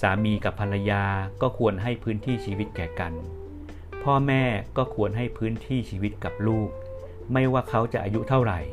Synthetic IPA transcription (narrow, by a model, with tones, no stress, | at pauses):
saː˩˦miː˧ka˨˩pʰːa˧la˧jaː˧kɔː˥˩kʰu˧ənɦa˥˩jpʰɯː˦˥nt̪ʰiː˥˩t͡ɕʰiː˧wi˦˥t̪̚kɛː˨˩ka˧n | pʰɔː˥˩mɛː˥˩kɔː˥˩kʰu˧ənɦa˥˩jpʰɯː˦˥nt̪ʰiː˥˩t͡ɕʰiː˧wi˦˥t̪̚ka˨˩p̚luː˥˩k̚ | ma˥˩jwaː˥˩kʰa˦˥wt͡ɕa̰˨˩ʔaː˧ju˦˥t̪ʰa˥˩wɾa˨˩j